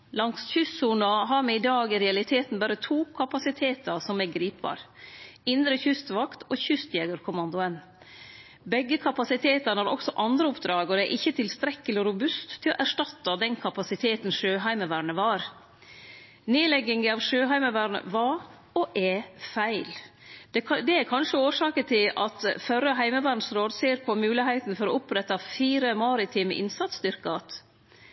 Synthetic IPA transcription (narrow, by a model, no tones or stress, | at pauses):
lɑŋsçʏssuːnɑɦɑɾmɛɪd̪ɑːɡɪɾɛɑlɪt̪ʰeːt̪n̩bæːɾət̪ʰuːkʰɑpɑsɪt̪ʰeːt̪ɑɾsɔmɛɡɾiːpbɑ̰ːɾɪnd̪ɾəçʏst̪ʋɑkt̪ʰɔçʏst̪jɛːɡəɾkʰʊmɑnd̪ʊən | bɛɡːəkʰɑpɑsɪt̪ʰeːt̪ɑnɑɾʔɔ̰ksɔʔɑnd̪ɾəɔpd̪ɾɑːɡɔd̪ɛʔɪçːət̪ʰɪlst̪ɾɛkːəlɪɔɾʊbʉst̪ʰːɪlɔʔæʂʈɑt̪ːɑd̪ɛnkʰɑpɑsɪt̪ʰeːt̪n̩ʂøːɦæɪməʋæːɾɳəʋɑɾ | neːlɛɡːɪŋəɑʋʂøːɦæɪməʋæːɾɳə̰ʋɑɾ | ɔʔɛfæɪld̪̥ɛd̪ɛæɾkʰɑnʂəoːʂɑːkət̪ʰɪlɑt̪fœɾːəɦæɪməʋæːɳsɾoːd̪seːɾpʰɔmʉːlɪɦæɪt̪n̩fɔɾɔʊpɾɛt̪ːɑfiːɾəmɑːɾɪt̪ʰiːmə̰ʔɪnsɑt̪st̪ʏɾkəɑt̪